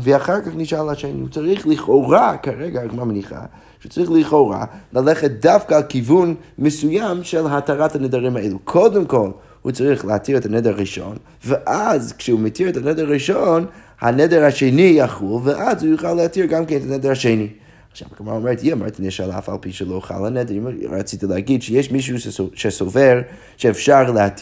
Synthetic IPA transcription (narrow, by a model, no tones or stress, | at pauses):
vəaχaɾkaχnɪʃalˠaʃeɪnihut͡saɾiχlˠɪχoʊʁakaɾɛɡaaɡmamniχa̰ | ʃut͡sʁiχlˠiχoʊɾa̰lˠalˠɛχət̚dafkalˠkivunmɪsujamʃɛlˠɦataɾatanɛdaɾɪmaeɪlˠukʰɔdəmkɔlˠ | hut͡saɾiχlˠəatʰiɾɛtanɛdəɾʁiʃɔ̰n | vəʔazkʃɛumɪtʰiɾtʰanɛdəɾʁiʃɔn | hanɛdɛɾhaʃeɪnijaχulˠvɪʔazujuχalˠəhatiɾɡamkeɪntanɛdəɾaʃeɪni | aχʃa̰baɡɪma̰ʊmɛɾtiama̰ɾtnɪʃalˠa̰fa̰lˠpiʃəlˠoʊχa̰lˠanɛdɾma̰t͡sitəlˠaɡidʃɛjeɪʃmiʃ̬uʃʃɛsovɛɾ | ʃɛɛfʃaɾlˠəhatʰi